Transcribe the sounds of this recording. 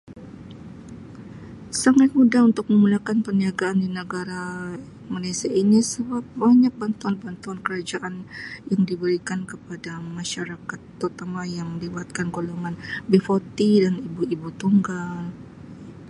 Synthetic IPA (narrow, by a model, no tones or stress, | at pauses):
saŋat̪̚mudaɦunt̪ʊk̚məmulakanpəniaɡaʔːndinəɡaɾa | malasiainisəbap̚baɲak̚bant̪uanbant̪uankəɾad͡ʒaʔanjaŋdibəɾikankəpadamaʃaɾakat̪ːərt̪amajaŋməliwat̪̚kanɡoloŋanbefot̪idanibuibut̪uŋɡal